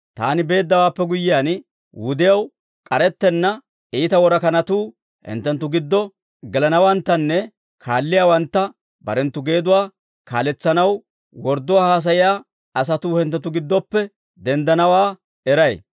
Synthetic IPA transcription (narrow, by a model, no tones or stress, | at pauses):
t̪a̰ːnɪbe̞ːd̪ːɐwaːpːɛɡʊjːɪjaːn | wʊd̪ɪjɐw | kʼɐɾɛt̪ːɛnːɐ | iːt̪ɐwɔɾɐkɐnɐt̪uː | hɛ̰nt̪ːɛnt̪ːʊɡɪd̪ːɔ | ɡɛlɐnɐwɐnt̪ːɐnːɛ | kʰaːlːɪjaːwɐnt̪ːɐ | bɐ̰ɾɛnt̪ːʊɡe̞ːd̪ʊwaː | ka̰ːlɛt͡sːɐnɐw | wɔɾd̪ːʊwaːhaːs̬ɐjɪjaː | ɐs̬ɐt̪uːhɛnt̪ɛt̪ːʊɡɪd̪ːɔpːɛ | d̪ɛnd̪ɐnɐwaː | ɛɾɐj